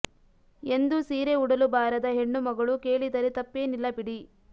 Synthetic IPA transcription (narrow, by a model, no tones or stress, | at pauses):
e̞nd̪usiːɾeuɽɐlubaːɾɐd̪ɐɦe̞ɳːumɐɡɐɭuke̞ːɭid̪ɐɾet̪ɐpːeːnilːɐbiɽi